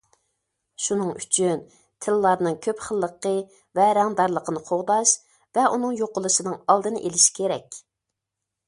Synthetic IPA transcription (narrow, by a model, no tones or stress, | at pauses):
ʃunɨŋyt͡ʃʰyn | t̪ʰɪlːˠɑɾnɨŋkʲʰøpχəlˠːəqə | vɛɾɑŋd̪ɑɾlˠəqənɨqʰoʁd̪ɑʃ | vɛʔunɨŋjoqʊlˠɨʃɨnɨŋɑlˠd̪ɨnɨʔelɪʃi̥kʲʰeɾɛkʲ